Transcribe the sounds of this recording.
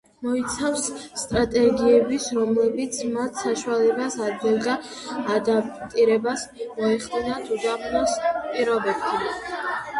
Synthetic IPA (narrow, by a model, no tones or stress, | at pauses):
mɔit̪sʰafsːt̪ʼɾat̪ʼɛɡiɛbisɾɔmlɛbit̪sʰmat̪ʰsaʃualɛbasad̪ɡilˠɡaːd̪ap̚t̪ʼiɾɛbasmɔɛχd̪inat̪ʰuzapʰnɔspʼiɾɔbɛbʃʰa